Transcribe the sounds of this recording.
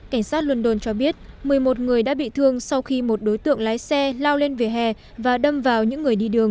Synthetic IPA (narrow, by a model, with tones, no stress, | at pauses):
ka˧˩jŋ̟saː˦˥t̚lwə˧nɗo˧˩nt͡ɕɔ˧ɓi˦˥ət̚mɨ˨˩əjmo˨˩t̚ŋɨ˨˩əjɗa̰ː˧˥ɓḭ˧˨t̪ʰɨ˧əŋsa˧wxi˧mo˨˩t̚ɗo˨˦jt̪ɨ̰˧˨əŋlaː˨˦jsɛ˧laː˧wle˧nve˨˩ɦɛ˨˩ | vaː˨˩ɗə˧mvaː˨˩wɲɨ̰˧˥ŋːɨ˨˩əjɗi˧ɗɨ˨˩əŋ